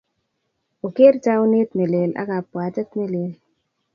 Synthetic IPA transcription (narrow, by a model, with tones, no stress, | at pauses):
o˨ke˦ɾt͡ʃa˦o˦ne˦t̪me˨le˨la̰˦ka˨pːwa˨tɛ˦t̪me˦le˨l